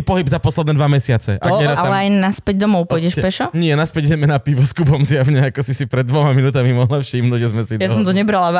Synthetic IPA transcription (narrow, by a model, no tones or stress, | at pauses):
pɔɦibzapɔslɛd̪nɛd̪ʋamɛsɪat͡sɛʔaɲɛɾaaalɛajnaspɛɟd̪ɔmɔʊpɔjɟɛʃpɛʃɔɲɪɛnaspɛɟiɟɛmɛnapiʋɔskupɔmzjaʋɲɛakɔsisipɾɛd̪ːʋɔmaminuːt̪amimɔɦlafʃimnuːɟʒɛzmɛsijasɔmt̪ɔɲɛbɾala